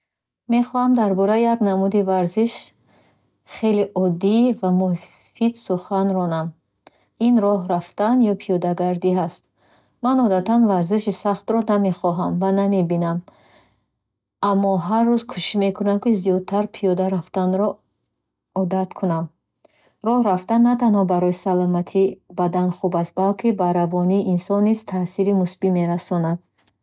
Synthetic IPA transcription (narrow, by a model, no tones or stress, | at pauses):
me̞χɔhamd̪aɾbɔɾaijaɡnamud̪ivaɾziʃ | χe̞liʔɔd̪ivamu | fid̪suχanɾɔnam | inɾɔɦɾaft̪anjɔpʰijɔd̪aɡaɾd̪iɦast̪̚ | manɔd̪at̪ʰanvaɾziʃisaχt̪ɾɔname̞χɔɦamvaname̞binam | amːɔɦarːuzkʰuʃime̞kʰunamkizijɔd̪̚t̪ʰaɾpʰijɔd̪aɾaft̪anɾɔ | ɔd̪at̪kʰunam | ɾɔhɾaft̪anːat̪ʰanhɔbaɾɔjisalɔmat̪ʰibad̪anχubast̪̚balkʰibaɾavɔniːʔːnsɔnːiz̥t̪ʰasiɾimusbime̞ɾasɔnad̪̥̚